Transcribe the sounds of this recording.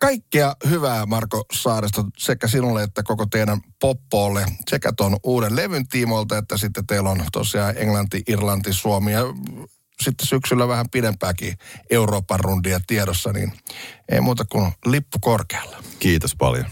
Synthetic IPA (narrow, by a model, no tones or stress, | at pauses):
kɑikːiɑhyʋæːmɑrkosɑːɾest̪ɑsekːæsinulːeet̪ːækokot̪eidæmpopːoːlːesekæ̰t̪onuːdelleʋynt̪imolt̪ɑet̪ːæsit̪ːet̪eilont̪o̰siɑːʔḛŋlɑnt̪iʔirlɑnt̪isuomiɑ | sit̪ːesyksylːæʋæhæmpidempæːkiʔeuroːpːɑrrundiɑt̪iedosːɑnḭnḛimuːt̪ɑkunlipːukorkeɑ̥lːɑkiːt̪ospɑ̰ljo̰n